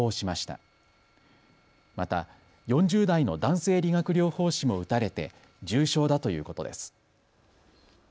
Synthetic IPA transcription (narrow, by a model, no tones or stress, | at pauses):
oːɕimaɕi̥t̪a̰ | mat̪a̰ | jõ̞ɲ̟d͡ʑɨːd̪aino̞d̪ãɰ̃se̞ːɾʲiɡakɯ̟ɾʲo̞ːho̞ːɕimo̞ɯ̟t̪aɾe̞t̪e̞ | d͡ʑɨːɕo̞ːd̪at̪o̞jɯ̟ːko̞t̪o̞̰d̪e̞̰sɨ̥